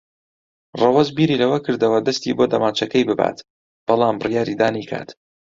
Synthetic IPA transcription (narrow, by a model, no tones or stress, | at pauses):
rɑwɐzbiːɾiːlɐwɐkɨɾd̪ɐwɐd̪ɐst̪iboːd̪ɐmaːt͡ʃɐkɐjbɨba̰ːt̪ | b̥ɑlˠaːmbɨrjaːɾid̪aːnikʰa̰ːt̪